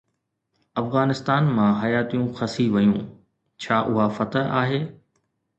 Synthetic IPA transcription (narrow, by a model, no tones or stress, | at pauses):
ɐfɣaːnɪst̪aːnmãɦɐjaːt̪ijũxɐsiʋɐjũː | t͡ɕʰaːʔʊɦafɐt̪əɦʔaːɦeː